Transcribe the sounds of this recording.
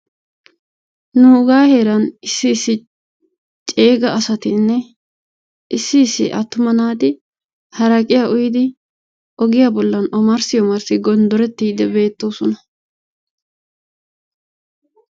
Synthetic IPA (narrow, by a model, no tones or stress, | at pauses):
nuʊɡaːhe̞ːɾɐnɪsːɪːsːɪ | t͡ʃʼe̞ːɡɐːsɐt̪ɪnːɛ | ʔɪsːɪːsːɪ̰ʔɐt̪ːʊmɐnaːt̪ɪ | hɐɾɐkʼɪjaːʔʊjɪd̪ɪ | ʔɔɡɪjaːbɔlːɐnɔmɐɾsɪjɔmɐɾsɪɡɔnd̪ɔɾɛt̪ːiːd̪ɛbe̞ːt̪ːoːsɔnɐ